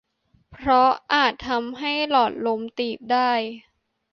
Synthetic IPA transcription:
pʰɾɔ˦˥ʔaː˨˩t̪ʰːa˧mɦa˥˩jlɔː˨˩t̪̚lo˧˥mt̪iː˨˩p̚daː˥˩j

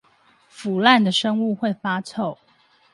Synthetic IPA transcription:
fu˨˩la˥˨nd̪ə˩ʂə˦ŋu˥˨˧xwe˥˨ɪfa˥t͡sʰo˥˨ʊ

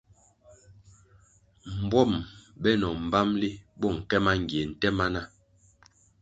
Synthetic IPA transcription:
m̩˨bwɔ˦˨mbɛ˦nɔ˨m̩˨ba˦mli˦bɔ˦˨ŋ̩˨kɛ˦ma˦ŋ˨ɡje˨n̩˨tɛ˦ma˦na˦˨

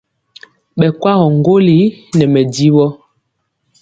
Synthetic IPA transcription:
ɓɛ˨kwa˦ɣɔ˨ŋ˦ɡo˦li˨˦nɛ˨mɛ˨di˦ɓɔ˦

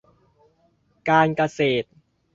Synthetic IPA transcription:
kaː˧nka˧seː˨˩t̪̚

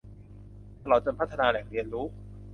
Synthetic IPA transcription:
t̪a˧lɔː˨˩t͡ɕo˧npʰt̪ʰːa˧naː˧lɛ˨˩ŋ̚ɾi˧ənɾuː˦˥

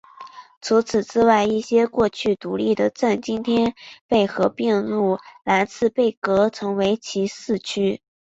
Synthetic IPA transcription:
t͡sʰu˧˥t͡sʰɹ̩˨˩t͡sɻ̩˥wa˥˧ɪi˥˩ɕjɛ˥kwɔ˥˧t͡ɕʰy˥˩t̪u˨˧˥li˥˩d̪ə˩t͡sa˥˩nt͡ɕi˥nt̪ʰjɛ˥npe˥˩ɪxɤ˧˥pjɛ˥˧nɻu˥˩la˧˥ɪt͡sʰɹ̩˥˧pe˥˩ɪkɤ˧˥t͡sʰɤ˧˥ŋwe˧˥ɪt͡ɕʰi˧˥sɹ̩˥˩t͡ɕʰy˥

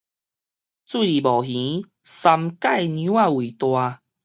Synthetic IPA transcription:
t͡swi˥˧˨li˨˩bɔ˨˩ɦĩ˨˦ | sa˧mka˥˨jnũ˧˦wa˥˧wi˨˩t̪wa˧

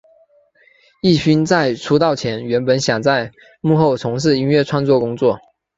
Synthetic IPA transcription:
i˥˩ɕy˥nt͡sa˥˩ɪʈ͡ʂʰu˥t̪ɑ˥˩ʊt͡ɕʰjɛ˧˥nɥɛ˧˥npə˧˥nɕjɑ˨˩ŋt͡sa˥˧ɪ | mu˥˧xo˥˩ʊt͡sʰʊ˧˥ŋʂ̬ɻ̩˥˩i˥nɥɛ˥˩ʈ͡ʂʰwa˥nt͡swɔ˥˩kʊ˥ŋt͡swɔ˥˩

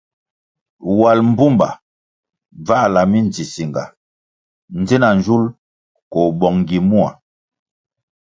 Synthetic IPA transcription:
wa˨lm̩˦bu˦mba̰˨ | b͡va˦la˨mi˦nd͡zi˨si˨ŋɡa̰˨ | n̩˦d͡zi˦na˨n˨d͡ʒu˦l | kɔ˨bɔ˨ŋ˨ɡi˨mu˦a̰˨

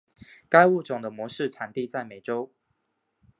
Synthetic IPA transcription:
ka˥˦ɪu˥˨ʈ͡ʂʊ˨˩ŋd̪ə˦mwɔ˧˦ʂɻ̩˥˨ʈ͡ʂʰa˨˩nt̪i˥˨t͡sa˥˩ɪme˨˩ɪʈ͡ʂo˦ʊ

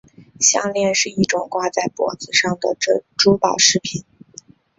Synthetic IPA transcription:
ɕjɑ̰˥˧ŋljɛ˥˧nʂɻ̩˥˧i˥˩ʈ͡ʂʊ˨˩ŋkwa˥˧t͡sa˥˩ɪpwɔ̰˨˩d͡zɹ̩˧ʂɑ˥˩ŋd̪ə̰˩ʈ͡ʂɤ˥˧ʈ͡ʂu˥pɑ˨˩ʊʂɻ̩˥˩pʰi˨˩˦n

